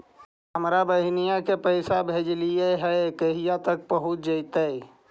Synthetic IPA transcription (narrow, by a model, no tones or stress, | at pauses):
ɦəmɾabəɦɪnijakepəɪsabʱed͡ʒlieɦɛekəɦijat̪ək̚pəɦut̪̚d͡ʒəɪt̪əj